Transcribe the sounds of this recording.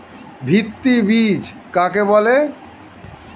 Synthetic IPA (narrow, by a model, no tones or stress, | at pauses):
bʱit̪ːibid͡ʑ | kakebɔle